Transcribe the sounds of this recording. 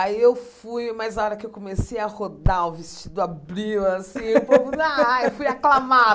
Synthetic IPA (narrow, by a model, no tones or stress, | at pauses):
aiewfujmazaɔɾɐkɪewkõmesejɐhod̪auvest͡ʃid̪ʊabɾiwasĩewpoũaewfujaklama